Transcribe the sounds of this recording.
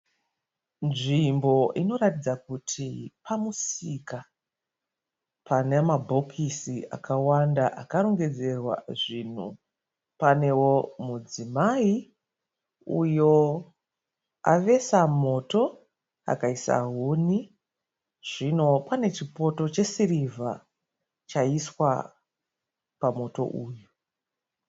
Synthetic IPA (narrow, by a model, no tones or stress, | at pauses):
nʐimbo̞ʔino̞ɾatid͡zakutʰipamusika | panemabʱo̞kʰisia̰kʰawandaʔakaɾo̞ŋɡe̞d͡ze̞rwa̰ʐin̤ṵ | pane̞wo̞mud͡zimai | ujo̞ | aʋe̞samo̞to̞ | a̰kaisa̰ɦuni | ʐ̥ino̞pane̞t͡ʃipo̞to̞t͡ʃe̞sirivʱa | t͡ʃaiswa | pamo̞to̞̰ʔuːju